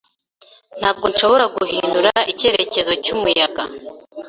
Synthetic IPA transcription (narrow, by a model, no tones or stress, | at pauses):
n̥haːb̚ɡo̞nʃo̞βo̞ɾaɡuɦinduɾaice̞ɾe̞ce̞zo̞cumujaɡa